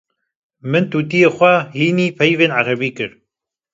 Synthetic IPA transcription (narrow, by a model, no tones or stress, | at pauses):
mɨnt̪uːt̪ijeːxʷɛhiːniːpʰɛjveːnʕaɾɛbiːkɨɾ